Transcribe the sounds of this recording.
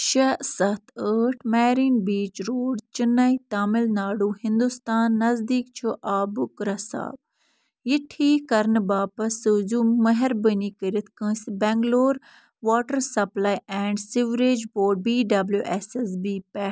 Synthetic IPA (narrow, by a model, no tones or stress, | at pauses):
ʃɐsɐt̪ʰəːʈʰmɛːɾiːnbiːt͡ʃɾoːɖt͡ʃinːɐit̪aːmɪlnaːɽuːhɪnd̪ust̪aːnːɐzd̪iːkt͡ʃʰuʔaːbukɾɐsa̰ːb | jiʈʰiːkɐɾnbaːpɐsɨzumɐɦɛɾbəniːkəɾit̪ʰkə̃sbɛ̃ŋɡloːɾ | ʋaːʈəɾsɐplaːjɛ̃ːɳɖsiʋɾed͡ʒboːɾɖ̚biːɖɐbljuʔɛsesbiːpɛ